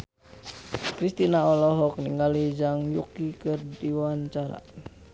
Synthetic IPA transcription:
kɾist̪inaɔlɔɦɔk̚niŋɡalid͡ʒaŋjṵkikərdiwaɲt͡ʃaɾa̰

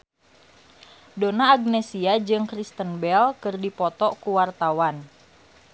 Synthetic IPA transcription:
donaːɡ̚nɛsiad͡ʒɨŋkɾist̪ənbɛlkɨrdipɔt̪ɔkuwart̪awan

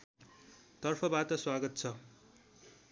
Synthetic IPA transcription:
t̪ʌrpʰʌbat̪ʌswaɡʌt̪t͡sʰʌ

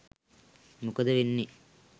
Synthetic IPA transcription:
mukɐd̪ɐʋinːi

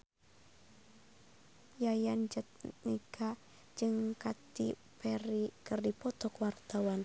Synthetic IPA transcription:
jajand͡ʒət̪̚niɡ̥a | d͡ʒɨŋkat̪ḭ | pɛɾikərdipɔt̪ɔkwart̪awan

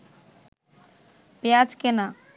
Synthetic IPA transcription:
pead͡ʒkena

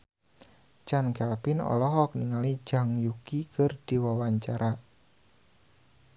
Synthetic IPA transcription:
t͡ʃankapɪnɔ̰lɔɦɔk̚niŋali̥d͡ʒ̥a̤ŋjukikərd̥i̤wawaɲt͡ʃaɾʔa

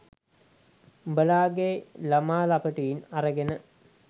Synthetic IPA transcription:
bəlaːɡelɐmaːlapəʈujinɐɾəɡenə

